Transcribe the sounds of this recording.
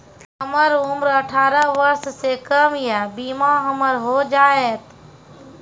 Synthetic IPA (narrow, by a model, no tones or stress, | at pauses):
ɦɦəməɾʊmɾəʈʰaːɾəʋəɾssekəmjabiːmaɦəməɾɦod͡ʒaːeːt̪